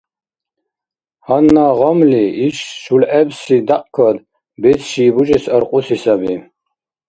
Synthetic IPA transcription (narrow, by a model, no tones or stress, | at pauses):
hanːaʁɔmliiʃʃulʔɛbsid̪aqʼkʰɔd̪ | bɛt͡sʃiːbuʒɛsaɾqʼusisabi